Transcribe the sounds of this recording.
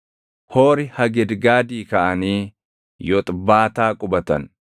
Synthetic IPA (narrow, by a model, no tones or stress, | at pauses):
hoːɾɪhɐɡɛd̪ɡaːd̪iːkɐʔɐniː | jɔt̪ʼbaːt̪aːkʼʊbɐt̪ɐ̰n